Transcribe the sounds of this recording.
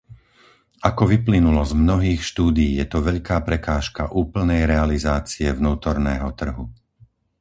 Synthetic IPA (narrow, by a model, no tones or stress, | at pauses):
ʔakɔʋiplinulɔzmnɔɦiːxʃt̪uːd̪ijiːjɛt̪ɔʋɛʎkaːpɾɛkaːʃkaʔuːpl̩nɛjɾɛalizaːt͡siɛvnuːt̪ɔɾnɛːɦɔt̪r̩ɦu